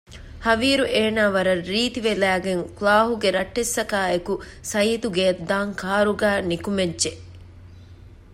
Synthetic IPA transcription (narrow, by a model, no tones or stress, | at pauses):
hɐʋiːɾuʔeːnaːʋɐɾɐːiːt̪iʋelæːɡeŋkulaːɦuɡeɾɐʈːesːɐkaːekusɐjiːt̪uɡeɐd̪ːaːŋkʰaːɾuɡæːnikumedʒe